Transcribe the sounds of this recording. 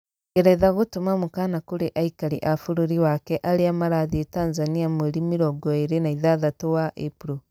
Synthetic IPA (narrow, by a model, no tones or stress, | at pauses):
ɣɛɾɛðaɣotomamukanakoɾeʔaikaɾḭʔafoɾoɾiwakɛʔaɾeamaɾaðietanzaniamweɾimiɾɔɡɔeɾenaiðaðatowaʔepuɾo